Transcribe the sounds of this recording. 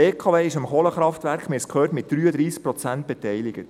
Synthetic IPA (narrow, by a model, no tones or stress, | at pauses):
eːkʰɑʋeːɪʃəmχoːləχɾɑftʋæɾkχmɪskʰøːtmɪt̚d̥ɾyːəd̪ɾiːsk̚pɾɔt͡sænt̚b̥ɛtɛjlɪɡ̥ət